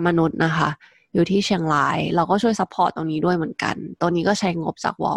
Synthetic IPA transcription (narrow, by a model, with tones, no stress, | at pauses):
ma˧nu˦˥t̪̚na˦˥kʰa̰˦˥ | juː˨˩t̪ʰiː˥˩t͡ɕʰi˧əŋlaː˦˥jɾɛː˧˥wkɔː˥˩t͡ɕʰu˥˩əjsa˧˦˥pʰːɔː˨˩t̪ːo˧ŋniː˦˥du˥˩əjmɯ˨˩ə˦nka̰˧nt̪o˧ŋnːiː˦˥kɔː˥˩t͡ɕʰa˦˥jŋo˦˥p̚t͡ɕa̰ː˨˩k̚wɔ̰ː˧˩